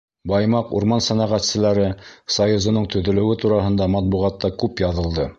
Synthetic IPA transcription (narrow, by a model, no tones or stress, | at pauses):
bɑjmɑqṵɾmɑnsænɑʁæt̪sɘ̆læɾɘsɑjuzŏnɤɴt̪ɵ̆ðɵ̆lɘ̆wɘt̪uɾɑɦɤ̆nd̪ɑmɑt̪̚buʁɑt̪ːɑkʉpjɑðɤ̆lˠd̪ɤ